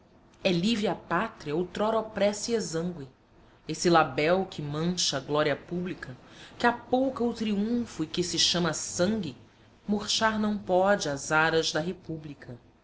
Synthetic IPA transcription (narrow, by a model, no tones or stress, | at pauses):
ɛlivɪapat̪ɾiɐot̪ɾɔɾɔpɾɛsiezɐ̃ŋɡwɪ | esɪlabɛwkʰɪmɐ̃ʃɐɡlɔɾiɐpublikʰɐkɪapowkɐʊt̪ɾiũfʊikɪsɪʃɐ̃mɐsɐ̃ŋɡɪ | moɾʃaɾnɐ̃w̃pɔd͡ʒɪazaɾɐʒd̪ɐɦepublikʰɐ